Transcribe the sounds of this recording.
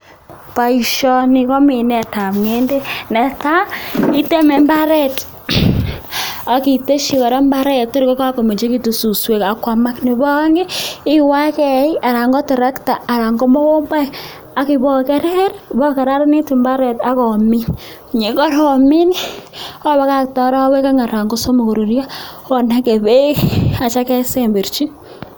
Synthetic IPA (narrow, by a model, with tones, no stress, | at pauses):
pa˨i˨ʃɔ˦nɪ˨kɔ˦mi˨nɛ˨ta˨pŋe˦nde˦nɛ˨ta˦i˦te˦me˨mba˦ɾɛ˦t | a˨ki˨te˦ʃi˨kɔ˨ɾa˦mba˦ɾɛ˦t̚tɪ˦ɾkɔ˦ka˦ko˨me˨t͡ʃe˦ki˦tu˨su˨swe˨ka˨kwa˨ma˦kne˨bɔ˦ka˦ŋɡe˦ɪ˦wa˦kɛ˨i˦a˨ɾa˨ŋɡɔ˦tɪ˨ɾa˦kta˨a˨ɾa˨ŋɡɔ˦mɔ˦wo˦mba˦j | a˦ki˨bɔ˦kɛ˦ɾɛ˦ɾbɔ˦kɛ˨ɾa˦ɾni˦ti˨mba˦ɾɛ˨ta˦kɔ˨mi˦n˨ | ɲe˨kɔ˦ɾɔ˨mi˦n | ɔ˦βa˦ka˦k̚tɔ˨ɾa˦we˦ka˦ŋa˨ɾa˨ŋɡo˦so˦mo˨ko˨ɾu˨ɾja˦ | ɔ˨na˦ke˨be˦ka˨t͡ʃa˦kɛ˦se˦mbe˨ɾt͡ʃi˦